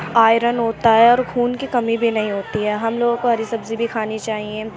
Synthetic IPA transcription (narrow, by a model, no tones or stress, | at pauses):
aːɪɾənɦoːt̪aɦɛɔːɾkʰuːnkikɐmibʱinɐɦĩɦoːt̪iɦɛːɦɐmloːɡõkoɦɐɾisɐbzibʱikʰaːnit͡ʃaːɦiɛ̃ː